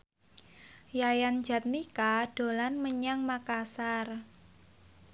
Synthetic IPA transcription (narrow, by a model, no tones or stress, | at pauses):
jajan̥d͡ʒa̤t̪̚nikaɖ̥o̤lanməɲaŋmakasar